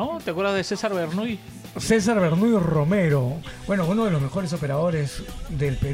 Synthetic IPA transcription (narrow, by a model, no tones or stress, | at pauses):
ot̪eakwe̞ɾðazðesesaɾβeɾnuj | ses̬aɾβeɾnujrome̞ɾo̞bwe̞nounoðe̞lo̞zme̞xo̞ɾe̞so̞pe̞ɾaðo̞ɾezðelpe